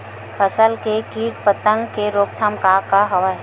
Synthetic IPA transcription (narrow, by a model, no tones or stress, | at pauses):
fʰəsəlkekiːʈpət̪ə̃ŋɡkeɾoːp̚t̪ʰəmkakaɦɐʋa